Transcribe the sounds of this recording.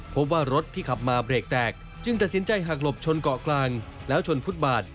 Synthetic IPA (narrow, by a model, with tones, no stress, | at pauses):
pʰo˦˥p̚waː˥˩ɾo˦˥t̪ʰːiː˥˩kʰa˨˩p̚maː˧pɾeː˨˩k̚t̪ɛː˨˩k̚ | t͡ɕɯ˧ŋt̪a˨˩t̪̚si˩˦nt͡ɕa˧jɦa˨˩k̚lo˨˩p̚t͡ɕʰo˧nkɔ˨˩klaː˧ŋlɛː˦˥wt͡ɕʰo˧nfu˦˥t̪̚baː˨˩t̪̚